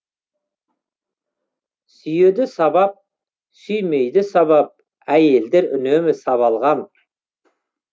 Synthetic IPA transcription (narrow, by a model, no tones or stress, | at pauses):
sʏje̞d̪ɪsɑbɑp̚ | sʏjme̞jd̪ɪsɑβɑp̚ | æje̞ld̪e̞ɾʏ̰nemɪsɑβɑlˠʁɑn